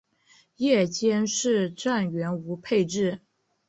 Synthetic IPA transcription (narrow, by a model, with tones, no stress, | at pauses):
jɛ˥˩t͡ɕjɛ˥nʂɻ̩˥˧ʈ͡ʂa˥˩nɥɛ˧˥nu˧˥pʰe˥˧ɪʈ͡ʂɻ̩˥˩